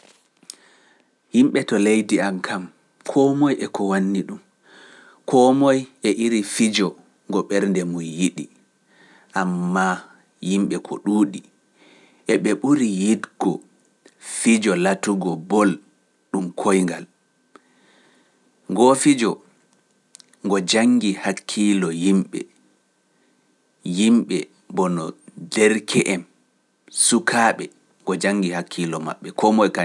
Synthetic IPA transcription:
himɓɛtɔlejdiamkʰam | kʰɔmɔjʔɛkɔwanːiɗum | kʰɔmɔjʔɛʔiɾifid͡ʒɔ | ŋɡɔɓɛɾndɛmujjiɗi | ʔamːa | jimɓɛkʰɔ̰ɗuːɗi | ʔɛɓɛɓuɾijidɡɔ | fid͡ʒɔlatuɡɔbɔl | ɗumkʰojŋɡal | ŋɡofid͡ʒɔ | ŋɡɔd͡ʒaŋɡihakʰːilɔjimɓɛ̰ | jimɓɛ | bɔnɔdɛɾkʰɛʔɛm | sukʰaɓɛ | ŋɡɔd͡ʒaŋːɡihakʰːilɔma̰ɓːɛkʰɔmɔjka

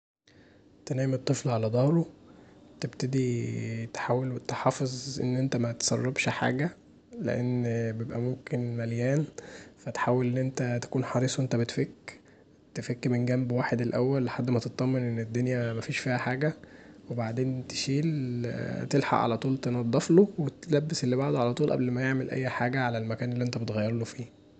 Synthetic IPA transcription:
t̪enæːjemet̪ˤːeflʕalæd̪ˤɑhɾˤo | t̪ebt̪ed̪it̪ħaːwelwet̪eħɑːfezˤʔḛnːʔent̪æmæt̪sˤɑrˤːɑbʃħa̰ːɡæ | lḛʔenːbjebʔæmomkenmæljæːnfæt̪ħaːwelʔenːʔent̪æt̪æ̥kuːnħɑɾˤiːsˤwent̪æbet̪fekː | t̪efekːmenɡæmbwaːħed̪elʔæwːælːħad̪ːmæt̪et̪ˤːɑmːenʔenːed̪ːonjæmæfiːʃfiːhæħaːɡæwebaʕd̪eːnt̪e̥ʃiːl | t̪elħɑ̰ʔʕa̰læt̪ˤuːlt̪enɑd̪ˤːɑflowet̪læbːeselːibaʕd̪ʕalæt̪uːlʔæ̰blmæjeʕmelʔæ̰jːħaːɡæʕalælmækæːnelːiʔent̪æbet̪ɣæjːɑɾˤlofiː

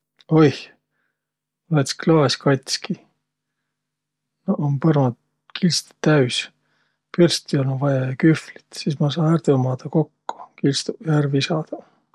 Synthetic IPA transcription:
ojh | lɑt̪sklɑːeskɑt̪ʲski | noʔompɤrmɑd̪ | kʰilst̪t̪æysʲ | pyrst̪iolovɑjɑjɑkyfli̥t̪sismɑs̬ɑːært̪emɑːd̪̥ɑko̞kːu̥kilst̪ujærvisɑːd̪̥ɑ

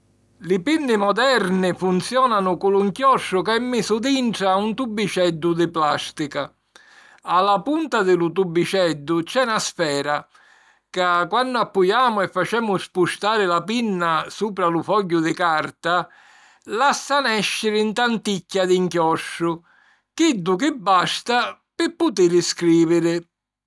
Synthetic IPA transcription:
lɪpinːɪmɔd̪ɛrnɪfunt̪sjɔːnanʊkʊlʊŋkjɔʂːʊkaɛmːɪsʊd̪iɳʈɽɾaunt̪ubːit͡ʃɛd̪ːʊd̪ɪplast̪ika | alːapunt̪ad̪ɪlʊt̪̬ubːit͡ʃɛd̪ːʊt͡ʃɛnasfɛːɾa | kakwanːʊapːujaːmʊɛfːat͡ʃɛːmʊspuʃt̪aːɾɪlapinːasuːpɾalʊfɔɟːʊd̪ɪkaɾt̪a | lasːanɛʃːɪɾɪint̪ant̪icʲːad̪iŋkjɔʃːʊ | k̟ɪd̪ːʊk̬ɪbːast̪a | pɪpːʊt̪ɪɾɪskɾiːvɪɾɪ

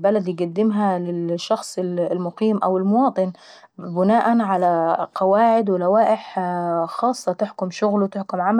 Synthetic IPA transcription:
balad̪jɡʊd̪ːɪmɦalɪʃːɑxsˤɪllmʊqiːmʔa̰wɪlmʊwɑːt̪ˤɨn | bɪnaːʔanʕalaqɑwaːʕɪd̪wɪlawaːʔɪħxɑːsˤːɑt̪ɪħkʊmʃʊɣlwt̪ɪħkʊmʕamæ

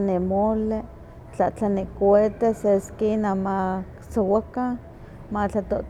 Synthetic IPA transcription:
nemole | t͡ɬaʔt͡ɬanikwet̪eseskinamaksowaka | mat͡ɬat̪oʔ

